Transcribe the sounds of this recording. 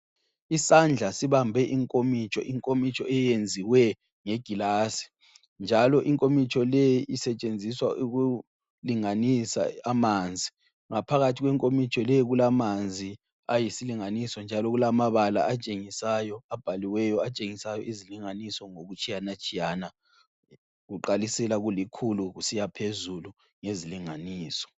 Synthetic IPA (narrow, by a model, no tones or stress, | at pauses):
isand͡ɮʱasiβambʱɛʔiŋkʼomit͡ʃʰʼɔ̰ʔiŋkʼomit͡ʃʰʼɔɛjend͡zʱiwɛ | ŋɛɡ̥ʱilasi̥ | nd͡ʒʱalɔʔiŋkʼomit͡ʃʰʼɔlejiʔisɛt͡ʃʼend͡zʱiswa̰ʔuɣu | liŋanisa̰amand͡zʱi | ŋapʰaɣatʰiɣwɛŋkʼomit͡ʃʰʼɔlɛjɣulamand͡zʱi | ajisiliŋanisɔnd͡ʒʱalɔɣulamaβala̰at͡ʃʼeŋisajɔab̥ʱaliwɛjɔat͡ʃʼeŋisajɔʔiziliŋanisɔŋoɣut͡ʃʰʼijanat͡ʃʼijana | ɣuǃalisɛlaɣulikʰuluɣusijapʰezulu | ŋeziliŋaniːsɔ̥